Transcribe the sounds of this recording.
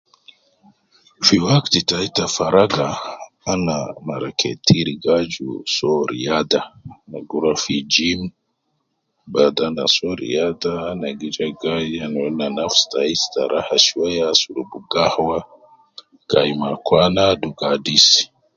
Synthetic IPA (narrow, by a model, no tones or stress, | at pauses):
fiwaktitaitafaɾaɡaː | namaɾakʰḛtʰiɾiɡad͡ʒṵsɔɾḭjadana̰ɡuɾafid͡ʒim | badanasoɾḭjadanaɡid͡ʒaɡaannanafstaista̰ɾʔahasuwajasuɾubuɡahwa | ɡ̥aimakwanaduɡadis